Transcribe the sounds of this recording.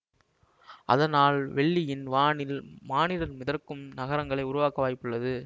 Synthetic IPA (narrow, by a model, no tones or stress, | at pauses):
ʔɐ̰ðɐnaːlʋɛɭːɪjɪnʋaːnɪlmaːnɪɾɐɾmɪðɐrkɯmnɐɣɐɾɐŋɡɐɭɐɪʊɾʊʋaːkɐʋaːjɪpːɯɭːɐðɯ